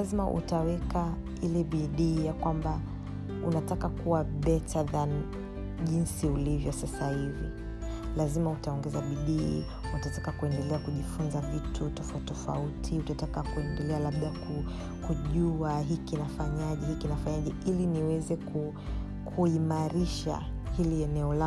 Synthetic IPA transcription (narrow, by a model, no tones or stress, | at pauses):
azimaʔṵtawɛka | ilɛɓiɗiːjakwamba | ṵnatakakuwaɓɛtaðan | ʄinsiulivjɔsasahivḭ | lazimautaɔŋɡɛzaɓiɗi | utatakakuɛndɛlɛakuʄifunzavitʰutɔfatɔfa̰utʰiutatakakuɛndɛlɛalaɓɗaku | kuʄuaɦikinafaɲaʄɛhikinafaɲaʄɛiliniwɛzɛku | kʰuimaɾiʃa̰ | hiliɛnɛɔla